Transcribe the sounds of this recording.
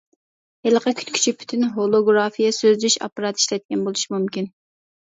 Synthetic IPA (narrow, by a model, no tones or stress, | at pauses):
heləqʰɑkʲʰy̥t̪kʰʲy̥t͡ʃʰipʰy̥t̪ʰynɦolˠoɡɾɑfijɛsøzd̪yʃɑ̰pːɑɾɑt̪iʃlɛt̪̚kʲʰɛnbolˠuʃimumkʲin